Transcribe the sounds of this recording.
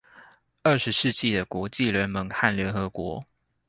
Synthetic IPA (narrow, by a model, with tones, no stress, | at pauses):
ə˥˩ʂɻ̩˧˦ʂɻ̩˥˧t͡ɕi˥˩d̪ə˩kwɔ˧˥t͡ɕi˥˨lɥɛ˧˥nmə˧˦ŋxa˥˩nljɛ˧˥nxɤ˧˦kwɔ˧˥